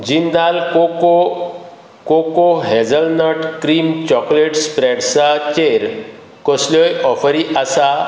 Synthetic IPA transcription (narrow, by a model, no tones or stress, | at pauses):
d͡ʑind̪alkoko | kokoɦɛd͡zəlnəʈʰkɾiːmt͡ɕɔkleʈspɾɛɽsat͡ɕeɾ | kɔslɔjʔɔfəɾiʔasa